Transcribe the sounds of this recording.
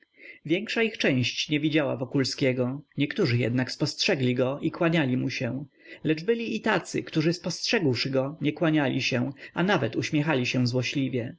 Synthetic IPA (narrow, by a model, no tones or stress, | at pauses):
vʲjɛŋkʂaixt͡ʂɛ̃j̃ɕt͡ɕɲɛvʲid͡ʑawa̰vɔkulskʲɛɡɔɲɛkt̪uʐɘjɛ̰d̪nakspɔstʂɛɡlʲiɡɔʔikwaɲalʲimuɕɛ̃ | lɛd͡ʐbɘlʲiːt̪at̪sɘ̰kt̪uʐɘspɔstʂɛɡwʂɘɡɔɲɛkwaɲalʲiɕɛ̃anavɛt̪uɕmʲɛxalʲiɕɛ̃zwɔɕlʲivʲjɛ